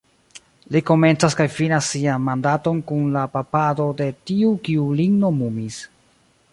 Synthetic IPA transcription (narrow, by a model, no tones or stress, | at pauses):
liko̞me̞nt͡saskajfinasːianmandato̞nkunlapapado̞de̞tiukiuliŋɡno̞mumis